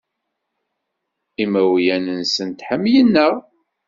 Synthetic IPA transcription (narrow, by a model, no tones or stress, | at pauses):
imæwjænənsənt̪ħəmːjənːəʁ